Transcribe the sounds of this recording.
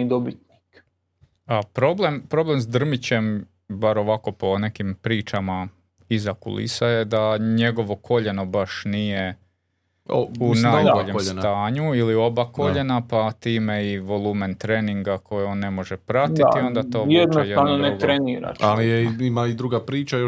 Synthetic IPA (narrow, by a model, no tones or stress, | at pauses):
id̪obit̪̚nik | apɾo̞blempɾo̞ble̞msd̪r̩mit͡ɕe̞m | baɾo̞ʋako̞po̞ne̞kimpɾiːt͡ʃama | izakṵlḭsaje̞d̪aɲe̞ɡo̞ʋo̞kʰo̞ʎe̞no̞baʃnije̞ | ounajb̪aoʎeʎsnt̪aːɲuilio̞bako̞ʎe̞napat̪iːmeiʋo̞lˠuːment̪ɾeːniŋɡakʰo̞jio̞ːnːe̞mo̞ʒepɾat̪it̪io̞nd̪at̪oːjed̪nosjeaʋnonet̪ɾɾeniːɾa̰t͡ʃalijeimaid̪ɾuɡapɾiːt͡ʃajo